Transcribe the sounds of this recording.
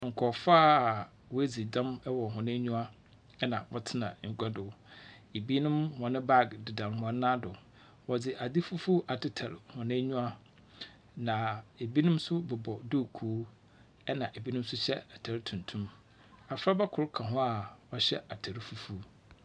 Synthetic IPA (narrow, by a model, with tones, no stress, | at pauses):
ŋ̩˨kʰɔ˨faː˦˨ | wɔ˦æ˦d͡zi˨dã˦mɛ˦wɔ˨ɦʊ̃˨nɪ̃˦ɲũ˦a˦ | ɛ˦nã˨wɔ̰˨tʰɪ˦nã̰˨ŋ̩˨ɡʷɛ˦dʊ˨˦e˨bi˦nʊ̃˦mhɔ̃˨nɪ̃˦ba˦˨ɡdɪ˨dã˨nhɔ̃˦nã˦dʊ˨ | wɔ˨d͡zɪ˨ʔa˨dɪ˦fu˦fu˦ʔa˨tʰɪ˦tʰa˨ɾhʊ̃˨nɪ̃˦ɲũ˦a˦ | nã˨e˨bi˦nʊ̃˦msʊ˦bɛ˨bɔ˨do˦˨kʰuː˨˦ | ɛ˦nã˨ʔe˨bi˦nʊ̃˦m˦sʊ˦ɕɛ̰˦a˨tʰa˨ɾtʰũ˨n˨tʰũ˦m | a˨fɾa˦ba˦kʰʊ˨ɾkʰã˨ɦʊ̃˦a˨wɔ˦ɕɛ˦a˨tʰa˨ɾfu˦fu˦